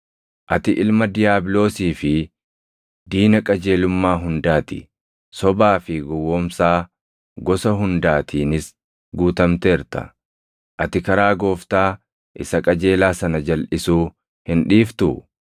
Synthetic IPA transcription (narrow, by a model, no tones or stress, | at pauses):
ʔɐt̪ɪʔɪlmɐd̪ɪjaːblo̞ːsiːfɪ | d̪iːnɐkʼɐd͡ʒe̞ːlʊmːaːɦʊnd̪aːt̪ɪ̰ | sɔbaːfɪɡʊwːɔːmsaː | ɡɔsɐɦʊnd̪aːt̪ʰiːnɪs | ɡuːt̪ɐmt̪eːɾt̪ɐ̰ | ʔɐt̪ɪkɐɾaːɡo̞ːft̪aː | ʔɪsɐkʼɐd͡ʒe̞ːlaːsɐnɐd͡ʒɐlʔɪsuː | hɪnᶑiːft̪ʊ